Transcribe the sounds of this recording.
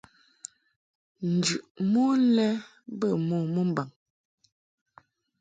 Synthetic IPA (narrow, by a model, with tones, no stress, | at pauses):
n̩˨d͡ʒʉ˨ʔmu˦lɛ˦ | bə˦˨mo˨mo˦m˨ba˨ŋ